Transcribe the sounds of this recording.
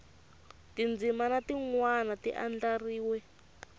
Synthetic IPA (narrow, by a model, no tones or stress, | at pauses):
tind͡zimanatiŋwanatiʔa̰nd͡ɮariːwɛ